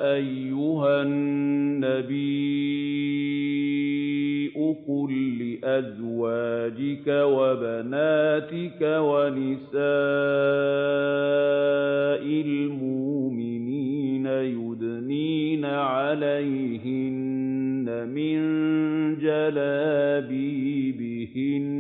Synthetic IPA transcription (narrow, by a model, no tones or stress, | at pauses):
ʔajːʊɦanːabiː | ʔʊkʊlːɪʔazwaːd͡ʒɪkawabanaːt̪ɪkawanɪsaː | ʔɪlmʊʔmɪniːnajʊd̪ | niːnaʕalajɦɪnː | amɪnd͡ʒalaːbiːbɪ | hɪn